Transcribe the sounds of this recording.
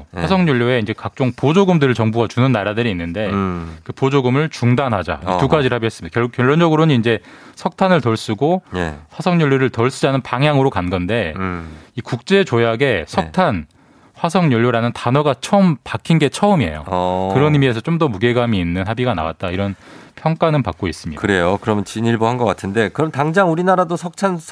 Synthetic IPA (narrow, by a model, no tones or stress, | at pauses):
hwasʰʌŋɲoʎːjoe̞ind͡ʑe̞kak̚t͡ɕ͈oŋpod͡ʑoɡɯmdɯɾɯɭt͡ɕʌŋbuɡat͡ɕunɯnːaɾadɯɾiinːɯnde̞kɯpod͡ʑoɡɯmɯɭt͡ɕuŋdanɦad͡ʑa̰tuɡad͡ʑiɾɯɭhabiɦes͈ɯmidakjʌɭːʌnd͡ʑʌɡɯɾoɲiːnd͡ʑe̞sʰʌk̚tʰanɯɭtʌɭs͈uɡoɸwasʰʌŋɲʌɭːoɾɯɭtʌɭs͈ud͡ʑanɯnpaŋɦjaŋɯɾokanɡʌnde̞ | ikuk̚t͡ɕ͈e̞t͡ɕojaɡe̞sʰʌk̚tʰan | ɸwasʰʌŋɲʌʎːjoɾanɯntanʌɡat͡ɕʰʌɯmpakʰinɡe̞t͡ɕʰʌɯmiḛjo̰kɯɾʌnimie̞sʰʌt͡ɕ͈omdʌmuɡe̞ɡamiːnːɯnhabiɡana̰wa̰t̚t͈aiɾʌnpʰjʌŋk͈anɯpa̰k͈̚ois͈ɯmɲḭkɯɾe̞jokɯɾʌmjʌnt͡ɕiɲiɭbohanɡʌk͈atʰɯnde̞kɯɾʌmntaŋd͡ʑaŋuɾinaɾadosʰʌk̚tʰansʰ